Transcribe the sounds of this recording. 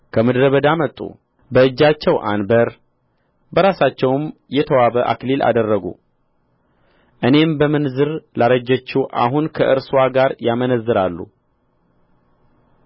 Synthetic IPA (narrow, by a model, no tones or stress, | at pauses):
kʰəmɨd̪ɾəβəd̪amət̪ʼːṵ | bəɨd͡ʒːat͡ʃːɛwʔa̰nbəɾ | bəɾasat͡ʃːɛwmjɛt̪ʰəwaβəʔa̰klilʔa̰d̪ərːəɡṵ | ʔɨne̞mbəmɨnzɨɾlaɾəd͡ʒːət͡ʃːuʔa̰ɦunkʰəʔɨɾswaɡaɾjamənəzːɨɾalːṵ